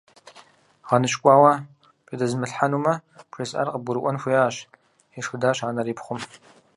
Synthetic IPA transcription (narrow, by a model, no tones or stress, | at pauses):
ʁɑnɨɕʼkʷʼɑːwa | pʼidɐzmɨɬħanuːmɐpʰrisʼa̰rqəbʊɾɨʔʷɔnxʷujaɕ | iʂxɨdaːɕaːnɐɾiːpχʷʊm